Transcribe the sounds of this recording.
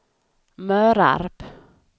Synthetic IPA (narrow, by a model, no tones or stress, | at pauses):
mœːɾa̰ɾp